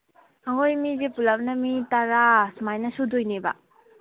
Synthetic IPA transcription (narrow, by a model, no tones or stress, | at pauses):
aŋojmizepulap̚nɐmitaɾasmajnɐsudojneba̰